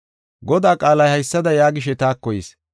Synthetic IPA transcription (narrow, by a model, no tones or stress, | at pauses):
ɡɔd̪aːkʼaːlɐjhɐjsːɐd̪ɐjaːɡɪʃ̬ɛt̪aːkːɔjɪːs